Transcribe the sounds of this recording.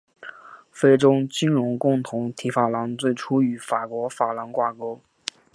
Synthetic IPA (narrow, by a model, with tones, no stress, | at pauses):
fe˥ɪʈ͡ʂʊ˥ʊt͡ɕi˥nɻʊ˧˥ŋkʊ˥˩ŋt̪ʰʊ˧˥ŋt̪ʰi˧˥fa˨˩lɑ˧˥ŋt͡swe˥˩ɪʈ͡ʂʰu˥y˧˥fa˨˩kwɔ˧˥fa˨˩lɑ˧˥nkwa˥˩ko˥ʊ